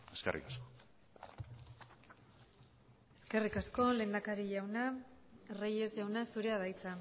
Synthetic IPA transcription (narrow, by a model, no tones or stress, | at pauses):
eskerʔḭkasko | e̞ske̞rikasko̞le̞ːnd̪akaɾiʝawnaereje̞zʝawnasuɾe̞að̞ajt͡sa